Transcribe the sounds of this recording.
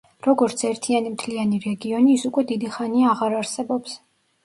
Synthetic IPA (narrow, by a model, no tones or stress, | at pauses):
ɾɔɡɔɾt̪sʰɛɾt̪ʰianimt̪ʰlianiɾɛɡiɔniːsukʼwɛd̪id̪iχaniaːʁaɾaɾsɛbɔps